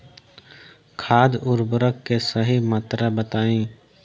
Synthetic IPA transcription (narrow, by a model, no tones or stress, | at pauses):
kʰaːd̪ʊɾbʊɾəkːesəɦimat̪ɾabət̪aːĩː